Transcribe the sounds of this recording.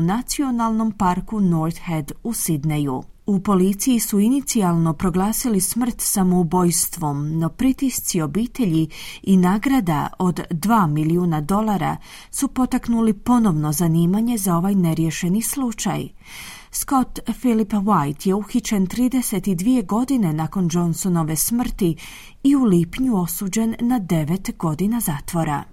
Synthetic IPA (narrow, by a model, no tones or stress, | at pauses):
nat̪sio̞nalˠno̞mpaɾkunoɾt̪hed̪usid̪nejṵ | upo̞lit̪sijisuinit̪sialˠno̞pɾo̞ɡlˠaːsilismr̩t̪samo̞ubo̞jst̪ʋo̞mno̞pɾit̪ist̪sio̞biːt̪e̞ʎiinaːɡɾad̪a̰o̞d̪ːʋaːmiliuːnad̪o̞lˠaɾa̰ | supo̞t̪aknulipo̞no̞ʋno̞zaniːmaɲe̞zao̞ʋajne̞ɾje̞ʃe̞nislut͡ʃa̰j | sko̞t̪filipʋajt̪je̞uxit͡ɕe̞nt̪ɾiːd̪e̞se̞t̪id̪ʋie̞ɡo̞d̪ine̞nako̞nd͡ʒo̞nso̞no̞ʋe̞smr̩t̪i | iuliːpɲuo̞suːd͡ʑe̞nːad̪e̞ʋe̞t̪ɡo̞d̪inazaːt̪ʋo̞ɾa̰